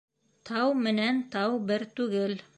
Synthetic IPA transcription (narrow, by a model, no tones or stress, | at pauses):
t̪ʰɑwmɘ̆nænt̪ɑwbɘɾt̪ʉɡɘl